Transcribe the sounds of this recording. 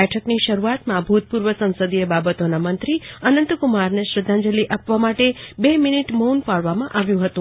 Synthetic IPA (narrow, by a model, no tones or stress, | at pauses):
ɛʈʰəkniʃəɾuat̪mãbʱut̪̚puɾʋəsə̃nsəd̪ʱiebabət̪onamənt̪ɾiənənt̪kumaɾneʃɾɪd̪ʱːãɲd͡ʒəliʔapʋamaʈebeminiʈmunpaɭʋamãʔaʋjũɦət̪ũ